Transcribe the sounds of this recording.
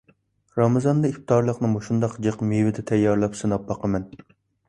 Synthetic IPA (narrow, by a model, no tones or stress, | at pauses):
ɾɑmɨzɑnd̪ɑip̚t̪ɑɾlˠəqnɨmoʃund̪ɑqd͡ʒeqmewɪd̪ɛt̪ʰɛjːɑɾlˠɑpsɨnɑp̚bɑqəmɛn